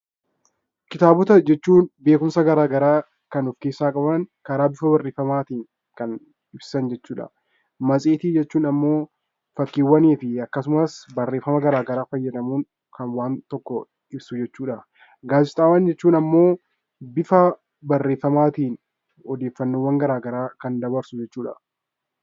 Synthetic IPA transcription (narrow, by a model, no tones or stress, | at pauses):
kɪt̪aːbʊt̪ɐd͡ʒɛt͡ʃːuːnbe̞ːkʊmsɐɡɐɾaːɡɐɾaː | kɐnɔfkeːsːaːkʼɐbɐnkɐɾaːbɪfɐbɐrːe̞ːfːɐmaːt̪iːŋ | kɐn | ɪbsɐnd͡ʒɛt͡ʃːuːᶑɐ̰ | mɐsʼiːt̪iːd͡ʒɛt͡ʃːuːnɐmːo̞ː | fɐkːiːwːɐniːfɪɐkːɐsʊmɐsbɐrːeːfɐmɐɡɐɾaːɡɐɾaːfɐjːɐd̪ɐmuːŋ | kʰɐnwaːnt̪ɔkːɔ | ɪbsʊd͡ʒɛt͡ʃːuːᶑɐ | ɡaːd͡ʒɪt̪ʼaːwɐnd͡ʒɛt͡ʃːuːnɐmːo̞ː | bɪfɐ | bɐrːe̞ːfːɐmaːt̪iːn | ɔd̪eːfːɐnːoːwɐŋɡɐɾaːɡɐɾaːkɐnd̪ɐbɐɾsʊd͡ʒɛt͡ʃːuːᶑɐ̰